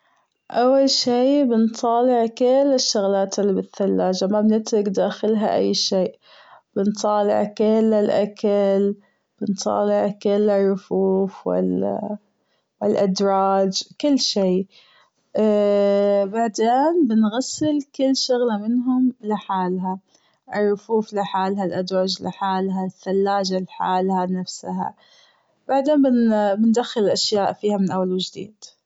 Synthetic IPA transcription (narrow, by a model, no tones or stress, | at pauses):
ʔawːalʃiːbɪnt̪ˤɑːlɪʕkɪlːɪʃːʊɣlaːt̪ɪlːbɪθːalːaːd͡ʒamabnɪt̪ɾɪkd̪aːxɪlɦa̰ʔa̰jːʃiːʔ | b̥ɪnt̪ˤɑːlɪ̰ʕkɪlːɪlʔakal | b̥ɪnt̪ˤɑ̰ːlɪʕkɪlːɪrˤːʊfuːfwɪ̰l | wɪlʔad̪ɾˤɑːd͡ʒkɪlːʃiː | baʕd̪eːnbɪnɣasːɪlkɪlːʃʊɣlamɪnɦʊmlɪħaːlɦa | ʔɪrˤːʊfuːflɪħaːlɦalʔad̪ɾˤɑːd͡ʒlɪ̰ħaːlɦaθːalːaːd͡ʒalħa̰ːlhanafsɦa̰ | baʕd̪eːnbɪnbɪnd̪axːɪllʔaʃjaːʔfiːhamɪnʔawːalwɪd͡ʒd̪ḭːd̪̥